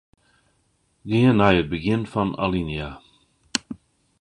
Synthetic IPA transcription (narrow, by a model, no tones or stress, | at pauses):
ɡeənajət̚bəɡɪntfɔna̰linja